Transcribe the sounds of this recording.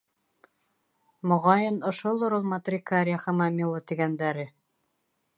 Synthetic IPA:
mŏʁɑjɤnŏʃolˠoɾulˠmat̪rʲikaɾʲɪaχɑmɑmʲilˠot̪iɡænd̪æɾɘ

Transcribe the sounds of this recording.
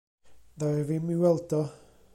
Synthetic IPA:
ðavimiwɛlˠdɔ

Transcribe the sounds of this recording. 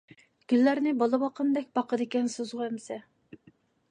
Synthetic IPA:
ɡ̥ʲylːæɾnɪbɑlˠɨbɑqʰənd̪ɛk̚ʲbɑqʰəd̪ɪkʲɛnsøzʁʊɛmsɛ

